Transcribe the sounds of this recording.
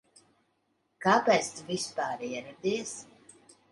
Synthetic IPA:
kaːpɛst̪uvispaːɾiɛɾad̪is

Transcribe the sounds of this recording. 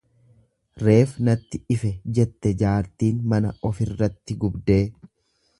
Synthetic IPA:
ɾe̞ːfnɐt̪ːɪʔɪfɛd͡ʒɛt̪ːɛd͡ʒaːɾt̪iːnmɐnɐʔɔfɪrːɐt̪ːɪɡʊbd̪e̞ː

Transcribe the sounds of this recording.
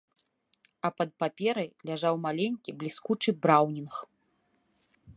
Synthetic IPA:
ɐpɐt̪̚papʲɛɾɐjlʲaʐawmalʲenʲkʲiblʲiskut͡ʂɨbɾawnʲinx

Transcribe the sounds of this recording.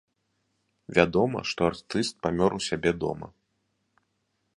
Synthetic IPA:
vʲad̪ɔmɐ̰ʂt̪ɔart̪ɨst̪̚pamʲɔɾusʲabʲɛd̪ɔ̰mɐ̰

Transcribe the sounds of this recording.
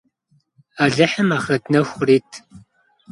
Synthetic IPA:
aːɮɐħəmaːχɐtnɐxʷʊriːtʰ

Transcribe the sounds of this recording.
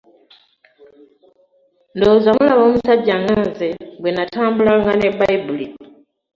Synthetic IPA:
ndo̞ːzamulaβo̞ːmusaɟːaŋɡaːnzeɡwenataːmbulaŋɡane̞bajbuli

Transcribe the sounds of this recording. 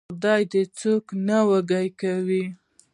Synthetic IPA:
d̪ɑjd̪ət͡soknawaɡajkawi

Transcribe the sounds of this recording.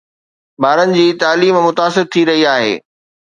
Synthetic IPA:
baːɾənɪ̆d͡ʑiːt̪aːliːmmʊt̪aːsɪɾt̪ʰiɾɐɦiaːɦḛː

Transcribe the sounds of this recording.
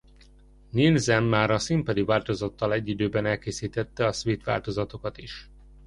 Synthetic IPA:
nilzɛmːaːɾɒsimpɒd̪ivaːlt̪o̞zɒt̪ːɒlɛɟːid̪øːbɛnɛlkeːsiːt̪ɛt̪ːɛɒsʋeːt̪ʋa̰ːlt̪o̞zɒt̪o̞kɒt̪iʃ

